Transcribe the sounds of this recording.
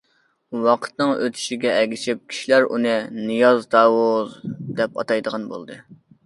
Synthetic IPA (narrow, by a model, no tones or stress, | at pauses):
wɑqʰə̥t̪̚nɨŋø̰t̪ʰy̥ʃiɡʲɛʔɛɡʲit͡ʃʰɪp̚kʲʰi̥ʃilæɾṵnɨnɨjɑzd̪ɑːwozd̪ɛpɑ̰t̪ɑjd̪əʁɑnbo̰lˠd̪ɨ